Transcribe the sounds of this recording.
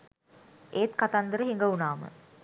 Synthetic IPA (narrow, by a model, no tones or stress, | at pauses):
ʔeːt̪kat̪and̪əɾəɦiŋɡəunaːmə̰